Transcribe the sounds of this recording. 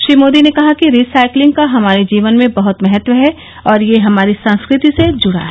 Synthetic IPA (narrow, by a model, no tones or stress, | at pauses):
ʃɾiːmoːd̪inekɐɦakiɾiːsaːɪklɪ̃ŋɡ̚kaɦɐmaːɾed͡ʒiːʋənmẽbɐɦʊt̪mɛɦət̪ʋəɦɛ | ɔːɾjeɦɐmaːɾisɐ̃nskɾɪt̪ised͡ʒʊɽa̰ːɦɛ